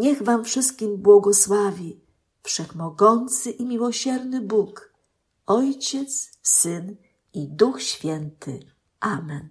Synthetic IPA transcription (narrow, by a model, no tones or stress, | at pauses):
ɲɛɣvamfʂɘst̪̚kʲimbwɔɡɔswavʲi | fʂɛxmɔɡɔnt̪sɘʔimʲiwɔɕɛɾnɘbuk | ɔjt͡ɕɛt̪ssɘn | id̪uxɕfʲjɛnt̪ɘ̰ | ʔamɛn